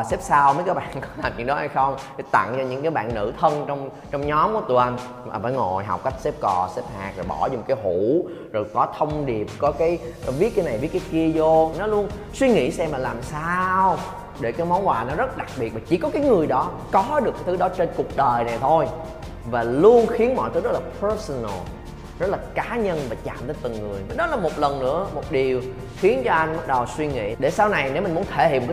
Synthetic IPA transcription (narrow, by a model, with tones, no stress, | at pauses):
aː˨˩sɛ˦˥p̚saː˧wmə˨˦jkaː˨˥ɓa̰ː˧˨nkɔ˨˦laː˨˩mɲɨ̰˧˥ŋɗɔ˨˦ha˧jxə˧wŋ͡mka˨˦t̪a̰˧˨ŋt͡ɕɔ˧ɲɨ̰˧˥ŋkaː˨˦jɓa̰ː˧˨nːɨ̰˧˥t̪ʰə˧nt͡ɕɔ˧wŋ͡m | t͡ɕɔ˧wŋ͡mɲɔ˨˦mkɔ˨˩˦t̪u˧ʔə˧n | maː˨˩faː˧˩jŋo˨˩jɦa˨˩k͡p̚ka˦˥jk̟̚se˦˥p̚kɔ˨˩se˦˥p̚haː˨˩k̚zo˨˩jɓɔ̰˧˩zɔ˧˩ŋ͡mkaː˨˦jɦu˧˩ | zo˨˩jkɔ˨˦t̪ʰə˧wŋ͡mɗi˨˩əp̚kɔ˨˦kaː˨˦jvi˦˥t̚kaː˨˦na˨˩jvi˨˦˥t̚kːaː˨˦ki˧əzo˧nɔ˨˦lu˧ən | swi˧ŋḭ˧˥sɛ˧mlaː˨˩laː˨˩msaː˧w | ɗe˧˩kaː˨˦jmɔ˨˦wnhwaː˨˩nɔ˨˦zə˦˥t̚ɗa˨˩k̚ɓi˨˩t̚maː˨˩t͡ɕḭ˧˩kɔ˨˦kaː˨˦jŋɨ˨˩əjɗɔ˨˦ | kɔ˨˦ɗɨ˨˩kːjt̪ʰɨ˨˦ɗɔ˨˦t͡ɕe˧nku˨˩ək̚ɗəː˨˩jna˨˩jt̪ʰo˧j | vaː˨˩lu˧ənxi˨˦ənmɔ̰˧˨jt̪ɨ˨˦zə˦˥t̚laː˨˩pʰə˧˦˥sɔ˨nə̰˨˩l | zə˦˥t̚laː˨˩kaː˨˦ɲə˧nvaː˨˩t͡ɕa̰ː˧˨mt̪əː˨˦jt̪ɨ˨˩ŋŋɨ˨˩əja˨˩ɗɔ˨˦laː˨˩mo˨˩t̚lə˨˩nnɨ̰˧˥əmo˨˩t̚ɗi˨˩əw | xi˨˦ənt͡ɕɔ˧ʔa˧jŋɓə˦˥ɗə˨˩wswi˧ŋḭ˧˨ɗe˧˩saː˧wna˨˩jne˨˦wmï̟˨˩mu˨˦ə˦nt̪ʰe˧˩hḭ˨p̚m̚˨˩ka˧